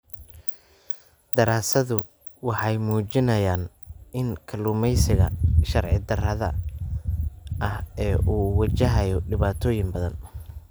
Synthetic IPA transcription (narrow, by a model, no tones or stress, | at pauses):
d̪ɐɾaːsɐðʊ | wɑħɑjmuːt͡ʃɪnɐjaːnʔɪnkʰɐluːmɛjsɪɣɐ̰ʃɐrʕɪd̪ɐrɐðɐ̰ | ʔɐhɛːʔuːwɐt͡ʃɐɦɐjɔɖɪβaːt̪ʰɔːjɪŋbɐðɐn